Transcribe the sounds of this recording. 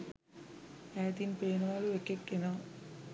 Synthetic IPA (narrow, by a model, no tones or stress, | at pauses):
æːt̪inpeːnʋaːluʋekːekːena